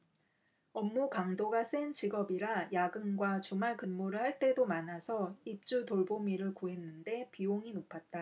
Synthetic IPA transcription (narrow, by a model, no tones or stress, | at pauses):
ʌmːukaŋdoɡas͈ent͡ɕiɡʌbiɾajaɡɯnɡwat͡ɕumaɭkɯnmoɾɯɭhaɭt͈e̞domanasʰʌip̚t͡ɕ͈utoɭbomiɾɯɭkuɦe̞nːɯnde̞pioŋinopʰat̚t͈a